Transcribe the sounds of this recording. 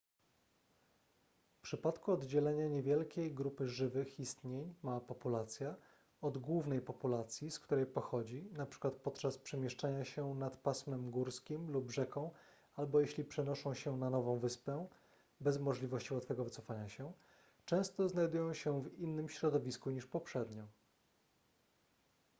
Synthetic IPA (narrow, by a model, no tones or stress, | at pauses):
fpʂɘpat̪kuɔd̪d͡ʑɛlɛɲaɲevʲjɛlkʲejɡɾupɘʐɘvɘxist̪ɲeɲmapɔpulat̪sʲja | ɔd̪ɡwuvnɛjpɔpulat̪sʲjiskt̪uɾɛjpɔxɔd͡ʑinapʂɘ̥kwat̪̚pɔt̪t͡ʂaspʂɛmʲjɛʂt͡ʂaɲaɕɛnat̪pasmɛmɡuɾskʲimlubʐɛkɔ̃w̃ | albɔjeɕlʲipʂɛnɔʂɔ̃w̃ɕɛnanɔvɔ̃w̃vɘspɛ | bɛzmɔʐlʲivɔɕt͡ɕivɔt̪fɛɡɔvɘt̪sɔfaɲaɕɛ | t͡ʂɛ̃w̃st̪ɔznajd̪ujɔ̃w̃ɕɛvinːɘmɕɾɔd̪ɔvʲiskuɲiʂpɔpʂɛd̪ɲɔ